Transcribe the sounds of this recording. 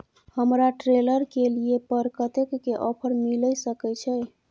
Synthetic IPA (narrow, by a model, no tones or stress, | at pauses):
həmɾaʈɾeləɾkeliepəɾkət̪ekːeʔɔpʰəɾmiləjsəkɛt͡ʃʰɛ